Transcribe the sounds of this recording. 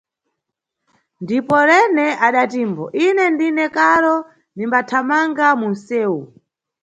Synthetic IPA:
ndipɔɾɛnɛʔaɗatiːmbɔʔinɛndinɛkaɾɔ | nimbatʰamaŋɡamun̩sɛːwu

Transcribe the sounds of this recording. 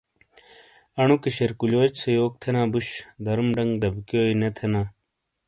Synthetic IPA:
ɐɳukeɕeɾkuloːt͡ɕsejoːk̚t̪ʰenãːbuɕd̪ɐɾmɖɐŋɡd̪ɐbkjoːinet̪ʰenãː

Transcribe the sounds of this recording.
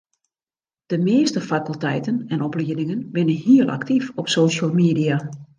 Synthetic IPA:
d̥əmɪːstəfakəlˠtɛjtənɛnɔpliədɪŋənʋɪnənhiəlˠʔa̰ktifɔpsoːʃəlˠmeːdia

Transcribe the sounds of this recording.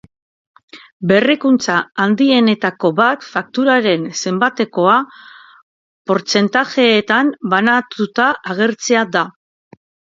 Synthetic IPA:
be̞rekunt͡saːnd̪ie̞ne̞t̪ako̞βat̪fak̚t̪uɾaɾe̞nse̞mbat̪e̞ko̞a | po̞ɾt͡se̞nt̪aʝe̞ːt̪ambanat̪ut̪aʔaɣ̞e̞ɾt͡se̞ad̪a

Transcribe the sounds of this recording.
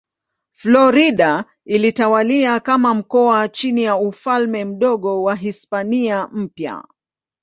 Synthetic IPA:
flɔɾiɗa | ilitawaliakamam̩kɔat͡ʃinijaufalmɛm̩ɗɔɠɔwaɦispaniam̩pja̰

